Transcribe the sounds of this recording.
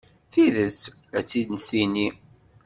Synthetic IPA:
θiðət͡sːæt͡sːid̪nθini

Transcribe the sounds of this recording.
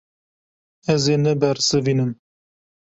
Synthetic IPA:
ɛzeːnɛbɛɾsɨviːnɨm

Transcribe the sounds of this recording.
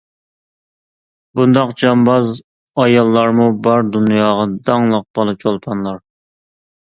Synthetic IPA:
bund̪ɑqd͡ʒɑmbɑz | ɑjɑlˠːɑɾmubɑɾd̪unjɑːʁɑd̪ɑŋlˠəq̚b̥ɑlˠɨp̚t͡ʃʰolˠpʰɑnlˠɑɾ

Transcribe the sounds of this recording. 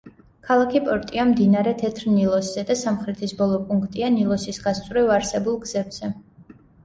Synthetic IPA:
kʰalˠakʰipʼɔɾt̪ʼiamd̪inaɾɛt̪ʰɛt̪ʰɾnilˠɔsz̥ɛd̪asamχɾɛt̪ʰisbɔlˠɔpʼuŋkʰt̪ʼianilˠɔsisɡast̪sʼɾɛvaɾsɛbulˠɡz̥ɛbz̥ɛ

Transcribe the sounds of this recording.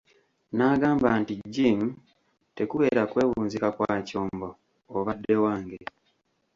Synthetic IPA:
naːɡaːmbantiɟːim | te̞kuβe̞ːɾakwe̞ːwuːnzikakwaːco̞ːmbo̞ː | βadːe̞waːŋɡe

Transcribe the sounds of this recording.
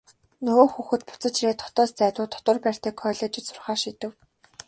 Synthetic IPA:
nɵɣoːxuːxɘ̆t̪̚pʊ̥t͡sə̆t͡ɕreːt̪ʰɔ̥t̪ɔːst͡sæːt̪ʊːt̪ʰːɔ̥t̪wə̆rpæːr̥ʲt̪eːkʰːɔːɮɔːt͡ɕɪ̆t̪sʊ̥rχaːʃiːt̪ɘ̆w

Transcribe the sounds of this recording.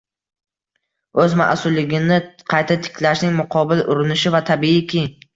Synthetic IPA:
ɵzma̰ʔsʊlːɪɡʲɪnɪqʰɑjt̪ʰat̪ʰɪ̥kʲʰlaʃnɪŋmʊqʰɒbɪlʔʊɾɪnɪʃɪvat̪ʰabiɪkʲʰɪ

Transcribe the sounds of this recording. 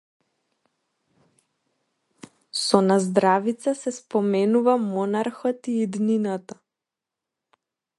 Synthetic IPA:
sɔnazd̪ɾavit̪sasɛspɔmɛnuvamɔnaɾxɔt̪iːd̪ninat̪a

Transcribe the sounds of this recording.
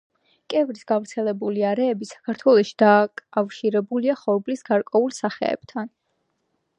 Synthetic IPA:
kʼɛvɾisɡ̥avɾt̪sʰɛlɛbuliaɾɛːbisḁkʰaɾt̪ʰwɛlˠɔʃi̥d̪̥akʼafʃiɾɛbuliaχɔɾblisɡ̥aɾkʼwɛulˠsaχɛ̰ɛ̰b̥̚t̪ʰan

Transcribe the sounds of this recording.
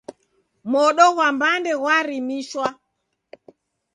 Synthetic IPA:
mɔɗɔɣwambandɛɣwaɾimiʃwa

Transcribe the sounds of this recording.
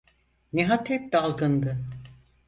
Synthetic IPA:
neɦat̪hɛp̚d̪alˠɡɯnd̪ɯ

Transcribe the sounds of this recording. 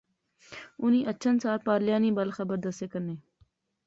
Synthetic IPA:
ʊnĩʔɐːt͡ʃʰənsaːlpaːɾlɪjaːnibəlxəbəɾd̪əst̪ekəɾneː

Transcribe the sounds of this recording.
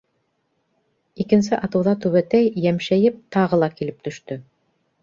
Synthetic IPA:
ikɘ̆ns̬ɘʔɑt̪ɤ̆wðɑt̪ʉβæt̪æjːæmʃæjɘp̚t̪ɑʁɤ̆lˠɑkilɘp̚t̪ɵ̆ʃt̪ɵ

